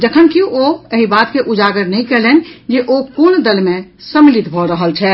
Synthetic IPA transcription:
d͡ʒəkʰənkiʔoəɦibat̪keʔud͡ʒaɡəɾnəɦĩkɛɦlend͡ʒeʔokond̪əlmẽsəmlit̪bʱɔɾəɦəlt͡ʃʰɛ

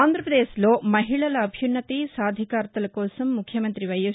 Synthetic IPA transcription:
aːnd̪ɾɐpɾɐd̪eːsloːmɐɦiɭɐlɐːbʱjunːɐt̪isaːd̪ʱikaːɾt̪ɐlɐkoːsɐmːukʰːjɐmɐnt̪ɾiʋɐju

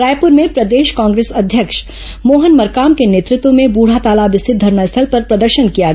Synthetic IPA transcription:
ɾaːjpʊɾmẽpɾɐd̪eːʃkãːŋɡɾeːsɐd̪ʱjəkʃ | moːɦənmɐɾkaːmkeneːt̪ɾɪt̪wõmẽbuːɽ̤at̪aːlaːbɪst̪ʰɪt̪̚d̪ʱɐɾnaɪst̪ʰəlpɐɾpɾɐd̪əɾʃənkija

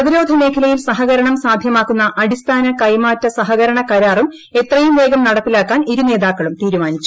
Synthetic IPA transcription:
ɐðiɾo̞ːd̪ʱɐne̞ːkʰɐlɐjilsɐɦɐɣɐɾɐɳɐmsaːd̪ʱjɐmaːkːunːɐʔɐɽist̪ʰaːnɐkɐjmaːtːɐsɐɦɐɣɐɾɐɳɐkɐɾaːrum | et̪rɐjumʋe̞ːɡɐmnɐɽɐt̪ːilaːkːaːniɾune̞ːðaːkːɐɭumt̪iːɾumaːnit͡ɕːu

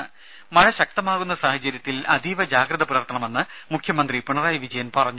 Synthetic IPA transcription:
mɐɻɐɕɐk̚t̪ɐmaːɣunːɐsaːhɐt͡ɕɐɾjɐt̪ːilɐ̰d̪ʱiʋɐd͡ʑaːɡɾɐðɐpuɾɐrt̪ɐɳɐme̞nːɨmukʰjɐmɐnd̪ripuɳɐraːjɐʋid͡ʑɐjɐnpɐrɐɲːu

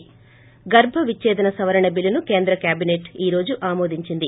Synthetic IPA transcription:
ɡɐɾbʱɐʋit͡ʃːɛːd̪ɐnɐsɐʋɐɾɐɳɐbilɐnuke̞ːnd̪ɾɐkjaːbineʈiːɾo̞ːd͡ʒuʔaːmoːd̪iɲt͡ʃind̪i

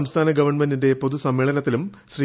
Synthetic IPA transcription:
ɐmst̪ʰaːnɐɡɐʋɐrɳmendinde̞po̞ðusɐmːeːɭɐnɐt̪ːilum | ɕriː

